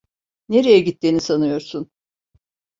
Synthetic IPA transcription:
ne̞ɾejɛɟit̪ːiːnisanɯjo̞ɾsun

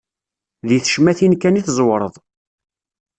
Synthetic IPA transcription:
ðiθə̥ʃmæθinkæniθzˤwɾˤəðˤ

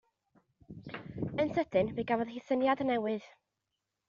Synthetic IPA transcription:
ənsədɨnviɡavɔðhiθənjadənɛwɨð̥

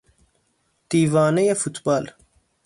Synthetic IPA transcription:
t̪iːvaːnejefut̪baːl

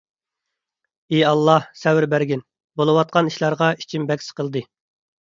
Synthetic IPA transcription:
eɑlˠːɑhsɛwɪɾbæɾɡʲin | bolˠɨwɑt̪̚qʰɑniʃlˠɑɾʁɑi̥t͡ʃʰimbɛkʲsɪ̥qʰəlˠd̪ɨ

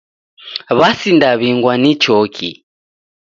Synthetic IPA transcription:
βasindaβiŋɡwanit͡ʃɔkʰḭ

